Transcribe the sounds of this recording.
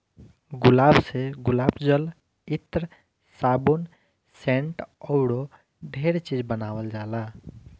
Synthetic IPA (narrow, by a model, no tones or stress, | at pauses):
ɡʊlaːbseɡʊlaːbd͡ʒəl | it̪ɾ | saːbun | sẽɳʈɔʊɽo | ɖʱeɾt͡ʃid͡ʒbənaːwəld͡ʒaːla